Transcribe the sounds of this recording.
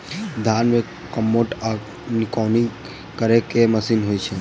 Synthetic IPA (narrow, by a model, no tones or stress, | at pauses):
d̪ʱanme | kəmːoʈa | nikɔni | kəɾekeməsiːnɦojt͡ʃʰe